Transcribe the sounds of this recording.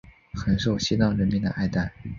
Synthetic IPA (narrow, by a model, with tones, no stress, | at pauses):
xə˧˥nʂo˥˩ʊɕi˥nɑ˥˩ʊɻə˧˥nmi˧˥˩d̪ə̰˩ʔa˥˧ɪt̪a˥˩n